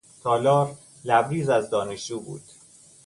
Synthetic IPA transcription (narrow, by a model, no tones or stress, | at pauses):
t̪ʰɒːlɒːɾ | læbɾiːzæzd̪ɒːneʃd͡ʒuːbṵːd̪̥